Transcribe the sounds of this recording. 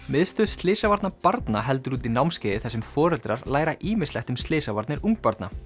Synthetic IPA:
mɪðst̪ʏst̪lɪːsavaɾt̪napaɾt̪naɦɛl̪t̪ʏɾuːt̪inawmscɪðɪθɛsːɛmfɔːɾɛlt̪ɾaɾlaːjɾaʔiːmɪ̥slɛht̪ʏmst̪lɪːsavaɾt̪nɪɾuŋk̚paɾt̪na

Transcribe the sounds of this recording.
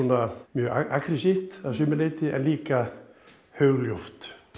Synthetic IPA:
unamjœːɣaakɾɪsift̪aðsʏːmɪleːjt̪ɪɛ̰nliːka | hœɣljowft̪

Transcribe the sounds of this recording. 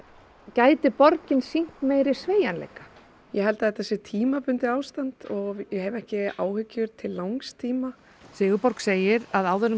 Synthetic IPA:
caːjt̪ɪpɔɾcɪnsiŋ̥t̪meːjɾɪ̥sveːjanlḛːjka | jɛɦɛlt̪aðɛht̪asɛt̪ʰiːmapʏnt̪ɪaːwst̪ant̪ɔɣjɛhɛvɛhcɪaːwhʏcːʏɾt̪ʰɪlːawŋst̪ʰiːma | sɪːɣʏpɔɾkseːjɪɾaðaːwðœɾ

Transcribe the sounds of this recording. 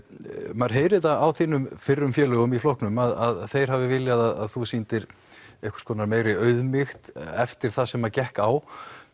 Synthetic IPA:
maɾ̥ɦeːjɾɪaawθiːnʏmfɪrːʏmfjɛːlʏɣʏmiflohknʏmaðaðθejɾ̥havɪvɪljaðaða̰ðθusint̪ɪɾ | ɛhkʏ̥skɔːnaɾmeːjɾɪœɥðmɪxt̪ɛft̪ɪɾ̥θaðsɛmacɛhkaw

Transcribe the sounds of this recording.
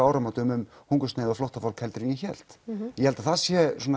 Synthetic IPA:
aːwɾamat̪ʏmʏm | huŋkʏsneːðaflɔwht̪afawlkhɛlt̪ɾiɲɪçɛl̥t̪jɛhɛlt̪aθasjɛsɔn

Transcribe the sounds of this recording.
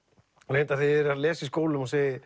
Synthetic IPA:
leːjnt̪aθɪɛɾaðlɛːsɪskoːwlʏmɔsɛːɣ

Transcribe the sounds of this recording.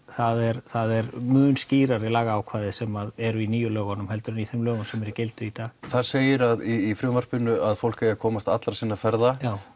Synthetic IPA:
θaðɛɾθaðɛɾmʏːnsciːɾaɾɪlaːɣaːwkʰvaːðɪsɛmaðɛɾʏiniːjʏlœːɣanʏmhɛl̪t̪ʏɾʏniθɛmlœːɣʏmsɛmɛɾicɪlt̪ʏit̪aːɣθaɾseːjɪɾaðiːfɾʏːmvar̥pʏnʏaðfowl̥kajakʰɔːmast̪a̰t̪laɾsiːnːafɛɾðajaːw

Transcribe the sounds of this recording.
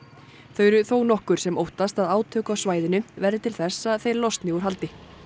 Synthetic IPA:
θœːɥɾʏθoːwnɔhkʏɾ̥sɛmowht̪ast̪aðaːwt̪ʰœːkawsvaːjðɪnʏvɛɾðɪt̪ʰɪlθɛsːaðθejɾlɔst̪nɪuɾɦalt̪ɪ

